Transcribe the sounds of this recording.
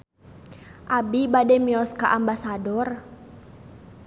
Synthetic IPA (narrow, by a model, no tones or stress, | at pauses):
ʔabibadɛmiɔska̰ʔambasadɔr